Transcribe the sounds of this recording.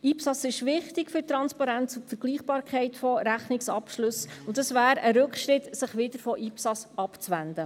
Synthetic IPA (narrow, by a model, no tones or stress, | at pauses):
ipsɑsɪʃʋɪχt̪ɪkfyɾtɾɑnspɑɾæntʊtfəɾɡ̥liːχb̥ɑːɾkʰɛɪt̪fɔɾæχnɪksɑpʃlɵsʊnd̪əsvæːɾəɾɵkχʃɾɪt̪sɪχʋɪd̪əɾfɔʔipsɑsɑpt͡sʋænd̪ə